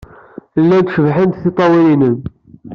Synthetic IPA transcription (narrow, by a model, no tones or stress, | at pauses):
lːænd̪ʃəvħənd̪θit̪ˤːɑwilinən